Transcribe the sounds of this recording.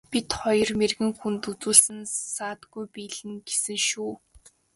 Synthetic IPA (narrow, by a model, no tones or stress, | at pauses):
pit̪χɔjɞ̆rmerɣɘ̆ŋxunt̪ut͡suːɮsɘ̆nsaːt̪ɡujpiːɮɘ̆ŋɡesɘ̆ŋʃuː